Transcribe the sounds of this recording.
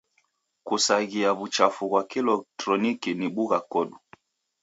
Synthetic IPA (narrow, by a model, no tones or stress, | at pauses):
kusaɣiaβut͡ʃafuɣwakilɔktɾɔnikiniɓuɣakɔɗu